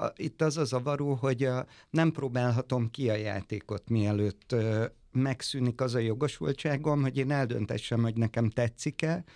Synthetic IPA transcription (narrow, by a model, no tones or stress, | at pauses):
it̪ːɒzɒzɒvɒɾuːɦo̞ɟnɛmproːbaːlɦɒt̪o̞mkiɒja̰ːt̪eːko̞t̪miɛløːt̪ː | mɛksynikɒzɒjo̞ɡo̞ʃṵlt͡ʃaːɡo̞nɦo̞ɟeːnɛld̪ø̰nt̪ɛ̰ʃːɛmho̞ɟnɛkɛmt̪ɛt̪sikɛ